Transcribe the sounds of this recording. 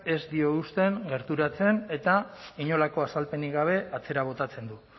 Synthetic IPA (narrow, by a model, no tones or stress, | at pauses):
e̞zd̪io̞ust̪e̞ŋɡe̞ɾt̪uɾat͡se̞ne̞t̪aiɲo̞lako̞asalpe̞niɣaβ̞e̞ʔat͡se̞ɾaβ̞o̞t̪at͡se̞nd̪u